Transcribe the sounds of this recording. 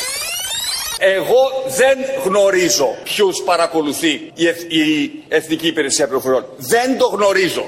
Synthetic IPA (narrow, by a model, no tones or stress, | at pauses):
e̞ɣo̞ðe̞nɣno̞ɾizo̞pçuspɐɾɐko̞luθi | ieθniciːpiɾe̞siɐpiɾofo̞ɾio̞nðe̞nd̪o̞ɣno̞ɾizo̞̰